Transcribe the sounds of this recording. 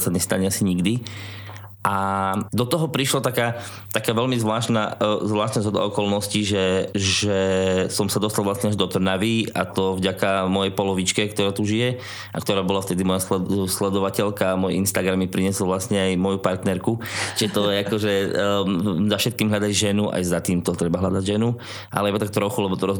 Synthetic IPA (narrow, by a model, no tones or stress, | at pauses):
saɲɛst̪aɲɛasiɲiɡd̪i | ʔad̪ɔt̪ɔɦɔpɾiʃlɔt̪akaː | t̪akaːʋɛlmizʋlaːʃnazʋlaːʃt̪nazɦɔd̪a̰ɔkɔlnɔsciʒɛʒɛsɔmsad̪ɔst̪alˠʋlasɲɛaʒd̪ɔt̪r̩naʋia̰t̪ɔvɟakamɔjɛjpɔlɔʋit͡ʃkɛkt̪ɔɾaːt̪uʒijɛ | ʔakt̪ɔɾaːbɔlaft̪ɛd̪imɔjaslɛslɛd̪ɔʋacɛlkamɔjɛinst̪aɡɾamːipɾiɲɛsɔlˠʋlast̪ɲɛajmɔjupaɾt̪nɛɾkut͡ʃiʒɛt̪ɔɛakɔʒɛ | zafʃɛt̪̚kiːmɦlʎad̪aɟʒɛnuʔa̰jzat̪iːmt̪ɔt̪ɾɛbaɦʎad̪aɟʒɛnu | ʔa̰lɛibat̪ak̚t̪ɾɔxulɛbɔt̪ɔɾɔ